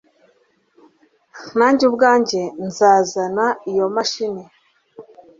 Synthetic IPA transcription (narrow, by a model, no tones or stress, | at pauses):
naːɲɟubɡaːɲɟe̞nzaːzanaijo̞maʃine